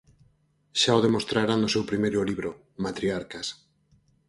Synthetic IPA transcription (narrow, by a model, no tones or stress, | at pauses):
ʃaoðemost̪ɾaɾanʊsewpɾimejɾʊliβɾʊ | mat̪ɾiaɾkas